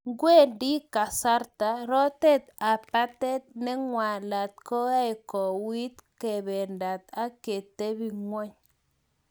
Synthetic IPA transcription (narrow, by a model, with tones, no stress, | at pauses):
ŋɡwe˦˨ndi˦ka˨sa˦ɾta˨˦ɾɔ˦te˦t̪a˨pa˦tɛ˦t̪̚nɛ˦ŋwa˨la˨t̪̚kɔ˦a˦jkɔ˨wi˦t̪ke˨bɛ˨nda˨t̪a˦ke˨te˦βi˦ŋwɔ˦ɲ